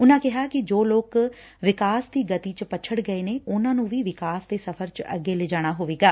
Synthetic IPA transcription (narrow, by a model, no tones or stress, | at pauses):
ʊnãːkɪɦaːkɪd͡ʒoːloːk | ʋɪkaːsd̪iːɡət̪iːt͡ʃpət͡ʃʰəɽɡəeːneːʊnãːnũːʋiːʋɪkaːsd̪eːsəpʰəɾt͡ʃə̰ɡeːleːd͡ʒaːɽ̃aːɦoːʋeːɡaː